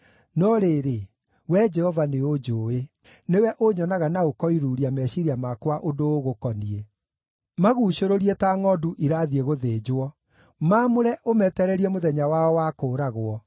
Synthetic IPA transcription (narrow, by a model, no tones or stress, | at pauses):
nɔɾeːɾe | wɛd͡ʒɛhɔvaneod͡ʒoe | newɛʔoɲɔnaɣanaokɔiɾuːɾiamɛɕiɾiamakwaʔodoːɣokɔnie | maɣuːʃoɾoɾietaːŋɔduʔiɾaðieɣoðeːd͡ʑwɔ | maːmoɾɛʔomɛtɛɾɛɾiɛmoðɛɲawaɔwakoːɾaɣoɔ